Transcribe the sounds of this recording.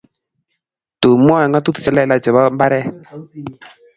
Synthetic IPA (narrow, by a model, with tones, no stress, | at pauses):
tu˨m˦a˦a˨ŋɡa˦t̪u˦t̪u̥˨t͡ʃɛ˦˨lɛ˦˨la˦d͡ʒɛ˨ba˦mba˦ɾɛ˦